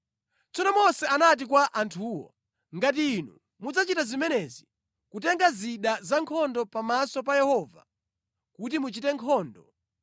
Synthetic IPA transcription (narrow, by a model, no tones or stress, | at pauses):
t͡sɔnɔmɔsɛanat̬ikwaʔantʰuːwɔ̰ | ŋɡat̬iːnṵ | mud͡zat͡ʃitazimɛnɛzi | kutɛŋɡaziɗazaŋkʰɔndɔpamasɔp̬ajɛhɔːva̰ | kut̬imut͡ʃitɛŋkʰɔːndɔ